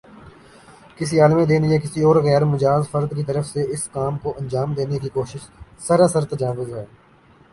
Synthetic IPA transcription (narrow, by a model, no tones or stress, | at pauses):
kɪsiaːlmẽd̪eːniẽkɪsiɔːɾɣɛːɾmʊd͡ʒaːzfəɾd̪kit̪əɾəfseɪskaːmkoʔɐ̃nd͡ʒaːmd̪eːnekikoːʃɪʃsəɾasəɾt̪ɐd͡ʒaːʋəzɦɛː